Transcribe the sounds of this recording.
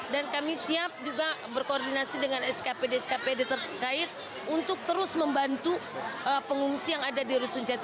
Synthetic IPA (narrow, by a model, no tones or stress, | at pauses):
dankamisiap̚d͡ʒuɡabərkoːrdinasidəŋanɛskapedeɛskapedet̪ərkaɪt̪̚ | unt̪ʊk̚t̪əɾʊsməmbant̪uʔəpəŋuŋsijaŋadadiɾusuɲd͡ʒat̪